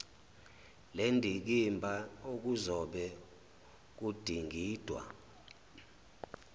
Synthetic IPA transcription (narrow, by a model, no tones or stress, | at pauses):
lendʱik̬imbʱaok̬uzɔɓɛ | k̬ud̥ʱiŋɡʱiːd̥ʱwa̰